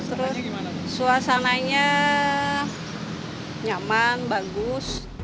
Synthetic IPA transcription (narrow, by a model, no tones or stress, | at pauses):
t̪əɾʊssuasanaɲa | ɲamanbaɡʊs